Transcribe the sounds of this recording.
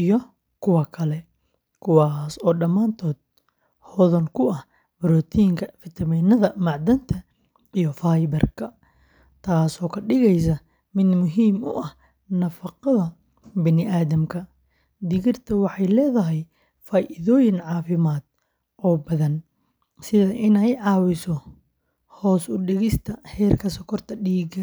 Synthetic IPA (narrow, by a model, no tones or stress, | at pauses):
ʔijɔ | kʰʊwɑkʰɐlɛ | kʰʊwaːsɔːɖɐmaːnt̪ʰɔːd̪̚ | hɔːðɐnkʰʊɐh | bɾɔːt̪ʰijɪŋkʰɐfɪt̪ʰɐmiːnɐðɐmɐʕd̪ɐnt̪ʰɐ | ijɔfaːjbɐrkʰɐ | t̪ʰaːsɔːkʰɐɖɪɣɛjs̬ɐ | mɪd̪mʊɦiːmʊ̰ʔɐh | nɐfɑqɐðɐ | bɐnɪʔaːðɐmkʰɐ | d̪ɪɣɪrt̪ʰɐwɑħɑjlɛːðɐɦɛj | faːʔɪðɔːjɪnʕɑːfɪmaːd̪̥̚ | ʔɔːbɐðɐn | sɪðɐʔɪnɛjʕɑːwɪsɔ | hɔːsʊɖɪɣɪst̪ʰɐhɛːrkʰɐsɐkʰɔrt̪ʰɐɖiːɡɐ